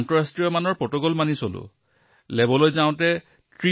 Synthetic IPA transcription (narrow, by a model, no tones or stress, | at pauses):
ntɔɹastɹijɔmanɔɹpɹɔtɔɡɔlmanisolʊ̰ | lɛbɔlojzãʊ̃tɛ | tɹi